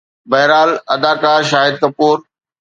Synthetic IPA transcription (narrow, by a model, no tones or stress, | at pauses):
bɐɦɾaːlɐd̪aːkaːɾʃaːɦɪd̪̚kɐpuːɾ